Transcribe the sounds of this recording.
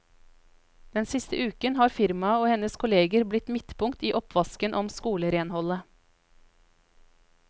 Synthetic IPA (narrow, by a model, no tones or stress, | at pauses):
d̪̥ɛnsɪst̪ə̰ʔʉːkənhɑːɾfɪɾmɑoːhɛnəskʰʊleːɡəɾblɪt̪mɪt̪pʊŋt̪iːʔɔpʰʋɑskənʔɔmskuːləɾeːnhɔlə